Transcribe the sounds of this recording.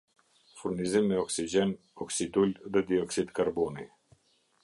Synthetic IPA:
fuɾnizimːɛɔksid͡ʑɛn | ɔksid̪ulðɛd̪iɔksid̪kaɾbɔni

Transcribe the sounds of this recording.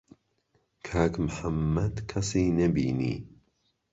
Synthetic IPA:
kʰaːkmħamːɐd̪kʰɐsiːnɐbḭːnḭː

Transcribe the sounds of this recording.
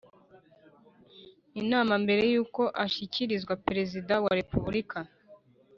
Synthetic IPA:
inaːmambe̞ɾe̞juːko̞ʔaʃiciɾizɡwapeɾe̞zidawaɾe̞puβuɾika

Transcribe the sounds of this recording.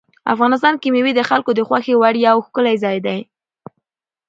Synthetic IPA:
a̰fɣɑnɪs̬t̪ɑnkimewid̪əxalkod̪əxwaxewaɽjawxkəlajzɑjd̪aj

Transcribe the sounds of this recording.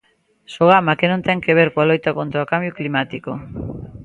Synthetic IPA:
soɣ̞amakenont̪aŋkeβ̞eɾkwalojt̪akont̪ɾakambjuklimat̪iko

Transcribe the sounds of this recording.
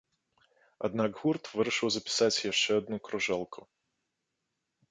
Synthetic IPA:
ɔ̰d̪nɑɡɣurt̪ʋɪɾɪʃɪwzɐpʲɪ̥sɑsʲjɐʃt͡ʃɛɔd̪̚nukɾɔʒɛlˠkʰʊ

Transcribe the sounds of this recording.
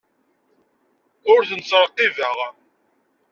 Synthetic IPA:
ʊɾθənt͡sɾˤqːivəʁ

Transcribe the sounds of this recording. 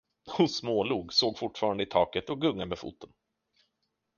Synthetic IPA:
hʊnsmoːluːɡsoːɡfʊʈfɑːɾand̪əɪt̪ʰɑːkət̪ɔɡɵŋːamɛfṵːt̪ːən

